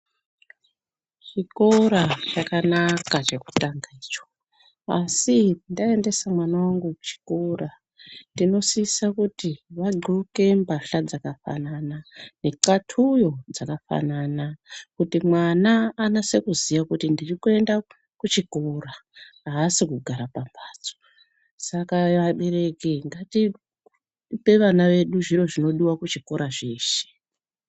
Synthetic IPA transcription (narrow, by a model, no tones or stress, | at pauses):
t͡ʃikoɾat͡ʃakanakat͡ʃe̞ku̥taŋɡaiːt͡ʃo̥ | a̰sindae̞nde̞samwanawaŋɡuku̥t͡ʃi̥kora | ndino̞siisakutiʋaɡ͡ǃʱuke̞mbaɬad͡zakafa̰nanane̞ǃatʰujo̞d͡zakafa̰nanakutimwanaːnase̞kuzijakutindirikue̞nda | kut͡ʃikoraɦaːsikuɡʱaɾapambʱaːd͡zo̥ | sakaʋaɓe̞ɾe̞keŋɡati | pe̞ʋanaʋe̞ɗuʐiro̞ʐino̞ɗiwakut͡ʃikoɾaʐe̞ːʃe̥